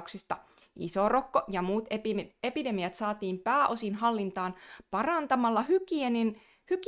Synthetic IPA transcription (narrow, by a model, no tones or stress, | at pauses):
ksist̪ɑḭsorokːojɑmuːt̪epide̞mijɑt̪sɑːt̪iːmpæːʔo̞sinɦɑlːint̪ɑːnpɑrɑnt̪ɑmɑlːɑhykienin | hyk